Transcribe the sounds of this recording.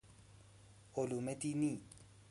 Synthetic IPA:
ʊlʊmetʼini

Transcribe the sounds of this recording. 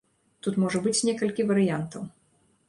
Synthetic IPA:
t̪ut̪mɔʐɐbɨt͡sʲnʲɛkɐlʲkʲivɐɾɨjant̪ɐw

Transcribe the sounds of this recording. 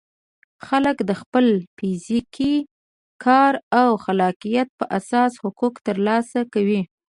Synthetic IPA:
xaləkd̪əxpəlfiziki | kʰɑɾawxalɑqijat̪̚pəʔasɑshʊkukt̪əɾlɑsakawi

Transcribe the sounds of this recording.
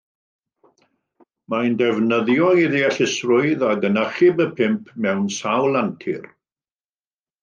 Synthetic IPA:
majndɛvnəðjɔiðiaɬɪsrʊɨðaɡənəχɪbəpʰɪmpʰmɛwnsawlˠantʰɪ̰r

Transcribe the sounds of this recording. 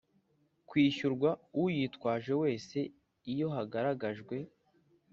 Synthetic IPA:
kwiːʃuɾɡwaujitkwaːʒe̞we̞ːse̞ | ijo̞ɦaɡaɾaɡaʒɡwe̞

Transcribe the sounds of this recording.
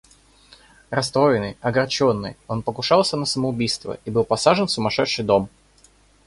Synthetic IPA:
ɾɐst̪ɾo̞jɪnɨjɐɡɐrt͡ɕonːɨ̰jo̞npəkʊʂɑlˠsʲənəsəməʊbʲijst̪və̰ʔibɨlˠpɐsaʐɨnfsʊmɐʂɛʂːɨjd̪o̞m

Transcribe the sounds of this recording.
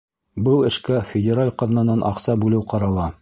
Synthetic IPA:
bɤlˠɘ̆ʃkæfʲɪdʲɪɾalʲqɑ̆ðnɑnɑnʔɑ̰qsɑbʉlɘwqɑɾɑlˠɑ

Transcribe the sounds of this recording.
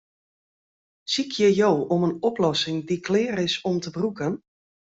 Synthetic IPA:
sikʰjəjjoːɔmənɔplɔsɪŋdiklɪːrɪsɔmtəbrukən

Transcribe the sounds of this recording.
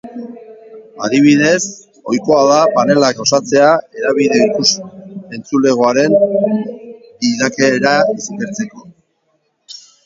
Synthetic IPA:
aðiβ̞iðe̞s | o̞jko̞aðapane̞lako̞sat͡se̞ae̞ɾaβiðe̞ikuse̞nt͡sule̞ɣ̞o̞aɾen | iðake̞ɾaismeɾt͡se̞ko̞

